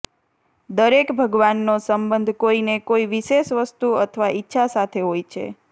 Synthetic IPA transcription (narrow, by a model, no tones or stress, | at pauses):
d̪əɾekbʱəɡʋanːosəmbənd̪ʱkoinekoiʋiʃeʃʋəst̪uət̪ʰəʋaʔitːʃʰasat̪ʰeɦojt͡ʃʰḛ